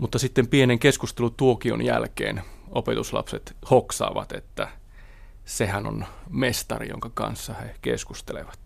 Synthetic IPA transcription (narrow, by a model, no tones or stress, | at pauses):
mut̪ːɑsit̪ːempieneŋkeskust̪elut̪uokio̰njælkḛːnopet̪uslɑ̰pset̪hoksɑ̰ːʋɑt̪et̪ːæ | sehæno̰nmest̪ɑrḭjo̰ŋkɑkɑ̰nsːɑhekḛskust̪eleʋɑt̪